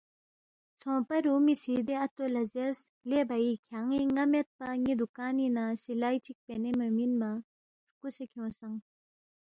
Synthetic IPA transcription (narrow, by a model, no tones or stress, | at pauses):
t͡sʰɔpaɾumisid̪eʔat̪olazeɾs | leʔbajikʰaŋiŋamɛt̪̚paɲid̪ukaːninasilajt͡ɕik̚penemaminma | kusekʰɔ̃saŋ